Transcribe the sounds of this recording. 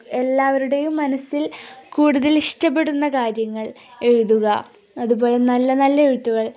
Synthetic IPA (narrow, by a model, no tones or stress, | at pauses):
e̞lːaːʋɐɾuɽe̞jumːɐnɐsilkuːɽuðɐliʂʈɐp̬ːe̞ɽunːɐkaːɾjɐŋːɐɭ | e̞ɻuðuɣɐ | ɐðubo̞ːle̞nɐlːɐnɐlːɐeɻut̪ːuɣɐɭ